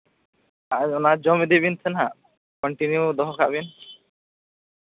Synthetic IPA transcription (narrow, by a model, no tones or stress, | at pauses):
aɔnad͡ʒɔmid̪ebint̪ʰenɦa | kɔɳʈinjud̪ɔɦɔkʰabin